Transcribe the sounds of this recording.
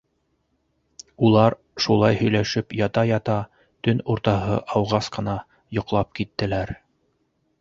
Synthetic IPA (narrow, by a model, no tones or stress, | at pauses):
ulˠɑɾ | ʃulˠɑjhɵ̆jlæʃɘpjɑt̪ɑjɑt̪ɑ | t̪ɵnuɾt̪ɑɦɤ̰ʔɑwʁɑsqɤ̆nɑ | jŏqlˠɑp̚kit̪ːɘ̆læɾ